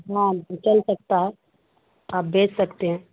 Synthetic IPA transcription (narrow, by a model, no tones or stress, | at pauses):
ɦãt͡ʃəlsɐk̚t̪aɦɛ | aːp̚beːt͡ʃsɐkt̪eɦɛ̃ː